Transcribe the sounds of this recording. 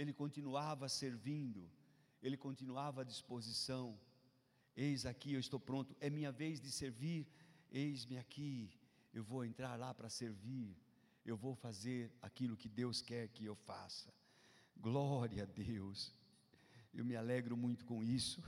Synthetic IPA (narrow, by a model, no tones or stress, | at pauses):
elɪkõnt̪inuavɐseɾvĩnd̪ʊ | elɪkõnt̪inuavɐːd͡ʒispozisɐ̃w̃ | ejzakiewɪst̪owpɾõnt̪ʊʔɛmĩɲɐvejzd̪ɪseɾviɾejzmɪakʰi | ewvowẽnt̪ɾaɾlapɾɐseɾviɾ | ewvowfazeɾa̰kilʊkɪd̪ewskɛɾkɪewfa̰sɐ̥ | ɡlɔɾiɐad̪ews | ḛwmɪalɛɡɾʊmũj̃t̪ʊ̥kõisʊ